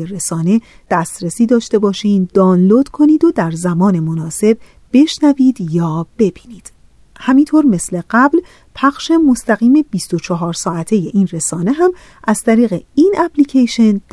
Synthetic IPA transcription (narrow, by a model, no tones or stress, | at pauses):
eɾesɒːne̞ | d̪̥æst̪ɾesiːd̪ɒːʃt̪e̞bɒːʃiːnd̪̥ɒːnlod̪̥kʰo̞niːd̪o̞d̪æɾzæmɒːne̞monɒːse̞b̚ | b̥e̞ʃnæviːd̪jɒːb̥e̞biːniːd̪̥ | hæmint̪ʰoːɾme̞sle̞ɢæbl | pʰæχʃe̞mo̞st̪æɣiːme̞b̥ist̪ot͡ʃʰɒɦɒːɾsɒːæt̪ʰe̞je̞ʔiːnre̞sɒːne̞ɦæm | ʔæz̥t̪ʰæɾiːɣeiːnʔæpʰlicʰeʃe̞nd̪̥